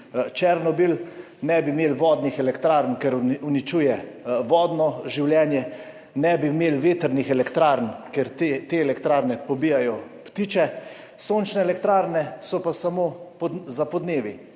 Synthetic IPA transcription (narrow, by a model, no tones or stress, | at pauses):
t͡ʃɛɾnɔbil | nɛbimeːlʋɔːd̪nixɛlɛkt̪ɾaːɾnkɛɾunit͡ʃuːjɛʋɔːd̪nɔʒiwljɛːnjɛ | nɛbimeːlʋeːt̪əɾnixɛlɛkt̪ɾaːɾnkɛɾt̪et̪eɛlɛkt̪ɾaːɾnɛpɔbiːjajɔ | pt̪iːt͡ʃɛ | soːnt͡ʃnɛɛlɛkt̪ɾaːɾnɛsɔpasamoːpzapɔd̪neːʋi